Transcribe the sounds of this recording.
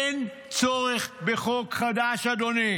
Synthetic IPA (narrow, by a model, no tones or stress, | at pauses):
en | t͡soʁeχbeχokχad̪aʃad̪oni